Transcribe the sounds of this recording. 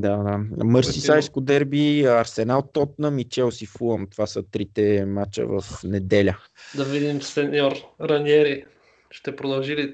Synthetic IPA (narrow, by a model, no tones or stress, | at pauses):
d̪ad̪amɤɾsisajskʊd̪ɛɾbiɐɾsɛnalˠt̪ɔt̪̚nəmit͡ʃɛlˠsifuəmt̪ovasət̪ɾit̪ɛmat͡ʃə̰və̰fnɛd̪ɛlʲə | d̪ɐvid̪imsɛnɔɾɾɐnʲiɛɾi | ʃt̪ɛpɾod̪ɐlˠʒili